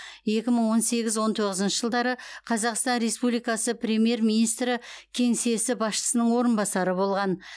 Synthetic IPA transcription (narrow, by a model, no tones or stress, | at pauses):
je̞kʲɪməɴwo̞nse̞ɡʲɪzwo̞nt̪ʰo̞ʁəzənʃəʒəlˠd̪ɑɾəqʰɑzɑqst̪ɑnɾe̞spublijkɑsəpɾʲe̞mje̞ɾminijst̪ɾɪkʲʰe̞ŋse̞sɪbɑsʃə̥sənəɴwo̞ɾənbɑsɑɾəbo̞lˠʁɑn